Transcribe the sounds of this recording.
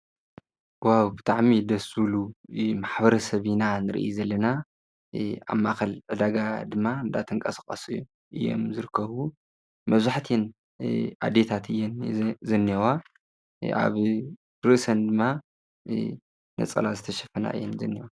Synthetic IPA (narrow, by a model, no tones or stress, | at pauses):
wawbɨt̪ʰʼaʕmid̪ɐsulumaħbɐɾɐsɐβinanɨɾɨ̰ʔizɐlːɐna | a̰mːaxɐlʕɨd̪aɡad̪ɨmːaɨnd̪at̪ʰɨŋkʼɐskʼɐsɨjːu | ʔɨjo̞̰mzɨɾɨkʰːɐβu | mɐβzaħt̪ʰen | ʔa̰d̪et̪ʰat̪ɨjːɛnzɐnːɐwa | ʔa̰β | ɾɨʔsɐnd̪ɨmːa | nɐ̰t͡sʼɐ̰lazɨt̪ʰɐʃɐfɐna̰ʔɨ̰jːɛnzɐ̰nːiwa